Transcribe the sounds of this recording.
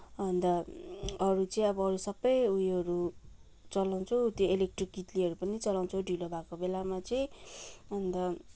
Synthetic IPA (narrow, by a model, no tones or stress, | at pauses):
ʌnd̪ʌ | ʌɾut͡sʌĩʌbʌʌɾusʌbːʌjujʌɾu | t͡sʌlaw̃t͡sʰʌwt̪joelek̚ʈrikɡit̪liʌɾupʌnit͡sʌlaw̃nt͡sʰʌwɖʱilobʱakobelamat͡sʌĩɦʌnd̪ʌ